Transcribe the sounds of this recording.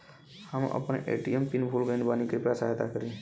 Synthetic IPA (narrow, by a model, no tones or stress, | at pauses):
həmʔə̰pənʔḛʈiempinpʰulɡənbanikɾipɾasaɦet̪a̰kəɾĩ